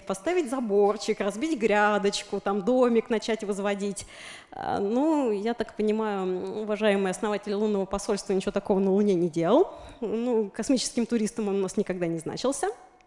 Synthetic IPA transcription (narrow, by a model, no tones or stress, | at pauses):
pɐst̪avʲɪtʲzɐbort͡ɕɪkrɐzbʲitʲɡɾʲad̪ət͡ɕkʊt̪amd̪omʲɪknɐt͡ɕætʲvəzvɐdʲitʲ | a̰nujat̪akpənʲɪmajʊʊvɐʐajɪmɨjɐsnɐvatʲɪlʲlˠunːəvəpɐsolʲst̪vənʲɪt͡ʃt͡ɕɪvot̪ɐko̞vənəlˠʊnʲenʲɪdʲelˠəlˠnukɐsmʲit͡ɕɪ̥skʲɪmt̪ʊɾʲist̪əmo̞nʊnasnʲɪkɐɡd̪anʲɪzna̰t͡ɕɪlˠsʲə